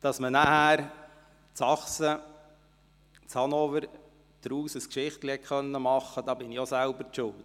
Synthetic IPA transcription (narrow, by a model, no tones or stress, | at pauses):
d̥ɑsmənæhæːɾ | t͡sɑχsə | t͡shɑnɔfəɾ | d̪̥ɾuːsəskʃɪχtlihɛtχœnːəmɑχːəd̥ɑːbɪniosælbəɾʃʊlt